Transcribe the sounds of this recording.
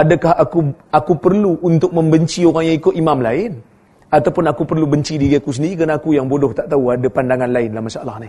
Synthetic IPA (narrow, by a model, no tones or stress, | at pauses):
adakahakuakupərluʔːnt̪ʊk̚məmbəɲt͡ʃioɾaŋjaŋikʊt̪imamlaɪn | at̪awpʊnakupərlubəɲt͡ʃidiɡekus̬əndiɾiknaːkujaŋbodɔht̪aʔt̪auadapandaŋanlaɪnlahmasaʔalahnɪh